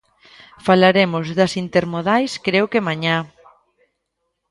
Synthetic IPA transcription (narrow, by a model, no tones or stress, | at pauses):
falaɾemʊzðɐsint̪eɾmoðajskɾewkemaɲa